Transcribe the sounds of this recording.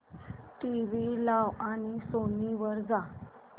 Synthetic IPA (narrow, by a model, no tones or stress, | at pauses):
ʈiʋilaʋaɽisoniʋəɾd͡za